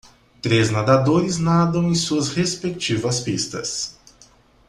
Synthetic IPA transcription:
t̪ɾeznad̪ad̪oɾiznad̪õw̃ĩsuɐsɾespekt͡ʃivɐspist̪ɐs

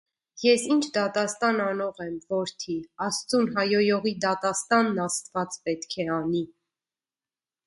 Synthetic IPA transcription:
jɛsint͡ʃʰd̪ɑt̪ɑst̪ɑnɑnɔʁɛmvɔɾt̪ʰiɑst͡sunɦɑjɔjɔʁid̪ɑt̪ɑst̪ɑnːɑst̪vɑt͡spɛt̪kʰɛɑni

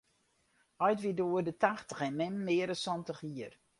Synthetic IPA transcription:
ɔjtʋidoərdətaxtə̥xɛnmɪmːɪːəɾəsɔntəxiər

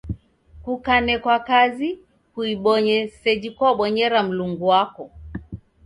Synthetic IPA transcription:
kukanɛkwakazi | kuiɓɔɲɛsɛd͡ʒikɔɓɔɲɛɾam̩luŋɡuwakɔ

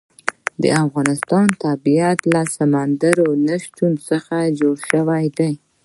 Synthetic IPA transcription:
d̪ə̰afɣɑnɪst̪ɑnt̪abiat̪lasamand̪aɾonaʃtunsəxad͡ʒoɽʃəwajd̪aj

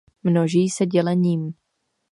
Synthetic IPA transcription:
mnoʒiːsɛɟɛlɛɲiːm

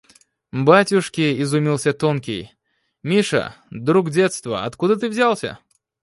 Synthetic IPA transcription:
batʲʊʂkʲɪɪzʊmʲilˠsʲət̪onkʲɪj | mʲiʂə̰d̪ɾuɡdʲet̪st̪və̰ɐ̰t̪kud̪ət̪ɨvzʲalˠsʲə̰

